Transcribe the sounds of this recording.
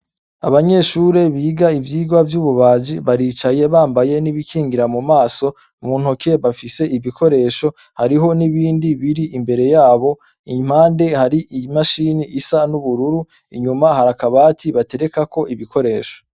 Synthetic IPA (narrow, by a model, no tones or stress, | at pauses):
a̰βaɲe̞ʃuɾe̞βiːɡaivjiːɡwavjuːβuβaːd͡ʒiβaɾit͡ʃaje̞βaːmbaje̞niβikʰiːŋɡiɾamumaːso̞ | mun̥hokʰe̞βafise̞ʔiβikʰo̞ɾe̞ːʃo̞ | haɾiɦo̞niβiːndiβiɾiimbe̞ɾe̞jaːβo̞ | im̥haːnde̞haɾiʔimaʃiːniʔisanuβuɾuɾu | iɲumahaɾakaβaːtʰiβate̞ɾe̞kakʰo̞ʔiβiko̞ɾe̞ːʃo̥